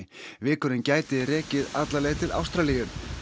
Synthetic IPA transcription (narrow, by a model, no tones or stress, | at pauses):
vɪːkʏɾɪncaːjt̪ɪrɛːcɪðat̪lalɛɣt̪ʰɪla̰wst̪ɾalijʏn